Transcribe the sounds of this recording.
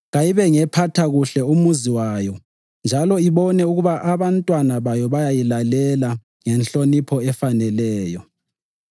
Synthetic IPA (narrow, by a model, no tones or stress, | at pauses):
ɣajiβɛŋɛpʰatʰaɣuɬɛumuziwajɔ | nd͡ʒʱalɔiβɔnɛuɣuβaʔaβantʼwanaβajɔβajajilalɛla | ŋɛnɬonipʰɔɛfanɛlɛːjɔ